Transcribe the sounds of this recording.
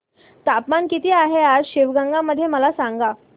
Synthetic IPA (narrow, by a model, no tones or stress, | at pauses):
t̪apmankit̪iːaɦead͡zɕiʋɡəŋɡaməd̪ʱːjeməlasaŋɡa